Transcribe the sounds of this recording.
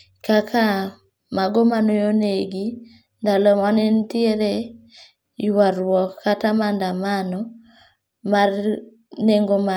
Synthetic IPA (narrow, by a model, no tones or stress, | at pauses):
kakʰa | maɡomanojoneɡi | ndalɔmanentieɾe | jwaɾwɔkːatamandamanɔ | mar | neŋɡoma